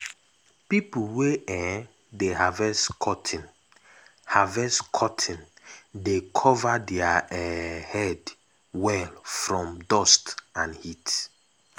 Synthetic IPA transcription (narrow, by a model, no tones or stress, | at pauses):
pipulweɛ | dehavɛskʰɔtʰĩn | havɛskʰɔtʰĩndekʰɔvadɛaɛhɛd | wɛlfɹɔ̃mdɔstãnhit